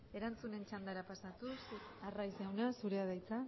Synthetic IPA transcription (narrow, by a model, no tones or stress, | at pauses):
e̞ɾant͡sune̞nt͡ʃand̪aɾapasat̪us | arajsewnasuɾeað̞ajt͡sa